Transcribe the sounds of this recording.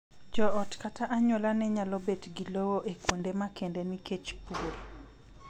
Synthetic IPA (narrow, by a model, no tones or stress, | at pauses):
d͡ʒɔɔtkataʔaɲolanɛɲalɔbetɡilowoʔekwondemakendeniket͡ʃpuɾ